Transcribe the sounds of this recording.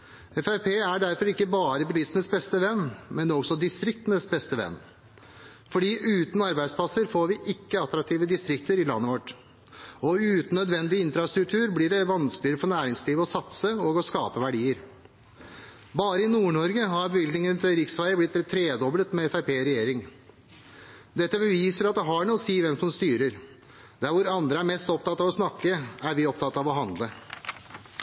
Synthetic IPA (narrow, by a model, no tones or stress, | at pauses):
ɛfæɪpʰeːæɖæɾfɔɾɪkːəbɑːɾəbəliːst̪ənəsbɛst̪əʋɛnːmɛnd̪ɛɔɡsɔd̪ɪst̪ɾɪk̚t̪ənəsbɛst̪əʋɛ̰nː | fɔɖiːʔʉːt̪n̩ɑɾbæɪd̪spʰlɑsəɾfoːɾʋɪʔɪkːəɑt̪ɾɑk̚t̪iːʋəd̪ɪst̪ɾɪk̚t̪əɾɪlɑ̰nːəʋɔʈː | ɔʉːt̪n̩ːœd̪ʋɛnd̪ɪɪnfɾɑst̪ɾʉkt̪ʰʉːɾblɪɖɛʋɑnsklɪəɾəfɔɳæːɾɪŋsliːʋɔsɑt̪səɔːɡɔskɑːpəʋæɖiːəɾ | bɑːɾəɪnuːɳɔɾɡəɦɑɾbəʋɪld̪nɪŋənt̪ʰɪlɾɪksʋæɪəblɪt̪ːt̪ʰːɾeːd̪ɔblət̪mɛɛfæɪpʰeːɾɛjeːɾɪŋ | d̪ɛt̪ːəbəʋiːsəɾɑt̪̚d̪ɛɦɑɳuːsiːʋɛmsʊmst̪yːɾəɾ | d̪̥æɾʋʊɾɑnd̪ɾəæɾmɛst̪ɔp̚t̪ɑt̪ːɑʋɔsnɑkːəæɾʋɪɔp̚t̪ʰɑt̪ːɑʋɔɦɑnd̪lə